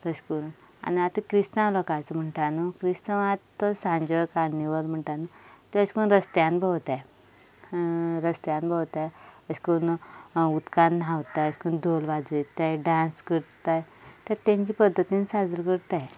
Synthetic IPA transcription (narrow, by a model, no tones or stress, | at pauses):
ɾəɕkuɾn | a̰niat̪əkɾist̪ãlɔkat͡səm̤əɳʈanukɾist̪aat̪ːɔsãɲd͡ʑojkaniʋəlm̤əɳʈanut̪eəskunɾəst̪jãnbʱəwt̪aj | ɾəst̪janbʱəwt̪ajəskonut̪kannaʋt̪ajəskund̪ʱolʋad͡zet̪ajɖãnskəɾt̪ajt̪əɾt̪ãɲt͡ɕipəd̪ʱːət̪insad͡zəɾkəɾt̪aj